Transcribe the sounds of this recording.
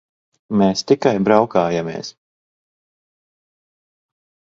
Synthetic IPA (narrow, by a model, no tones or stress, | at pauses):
meːst̪ikajbɾawkaːjamʲḛːs